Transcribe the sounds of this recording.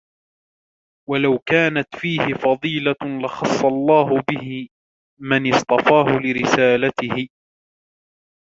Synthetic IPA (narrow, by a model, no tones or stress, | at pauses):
walawkaːnat̪fiːhɪfɑðˤiːlalɪxɑsˤːɑlˤːɑːɦʊbɪhɪ | manɪst̪ˤɑfɑːhʊlɪɾɪsaːlat̪ɪhɪ